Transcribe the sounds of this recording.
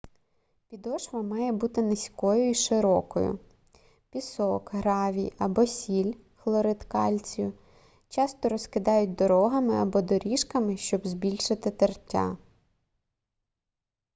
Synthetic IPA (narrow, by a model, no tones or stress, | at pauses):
pʲid̪ɔʃʋɐmɑjɛbut̪ɪnɪsʲkɔjʊiʃɪɾɔkɔ̰jʊ̰ | pʲisɔkɦɾɑʋʲijɐbɔsʲilʲ | xlˠɔɾɪt̪kɑlʲt͡sʲjʊ | t͡ʃɑst̪ɔɾɔskɪd̪ɑjʊt̚ʲd̪ɔɾɔɦɐmɪɐbɔd̪ɔɾʲiʃkɐmɪʃt͡ʃɔbzbʲilʲʃɪt̪ɪt̪ertʲːa̰